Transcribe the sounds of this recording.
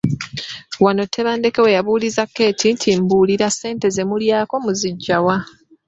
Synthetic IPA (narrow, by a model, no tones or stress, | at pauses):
wano̞tʰːe̞βaːnde̞ke̞we̞jaβuːlizakːe̞ːtʰintʰimbuːliɾase̞ːnte̞ze̞muljaːko̞muziɟːawa